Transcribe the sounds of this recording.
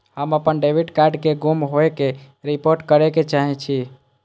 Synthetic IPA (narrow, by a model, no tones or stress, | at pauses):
həməpənɖebʱiʈkaɾɖkeɡumɦoeke | ɾipoɾʈkəɾeket͡ʃaɦɛt͡ʃʰi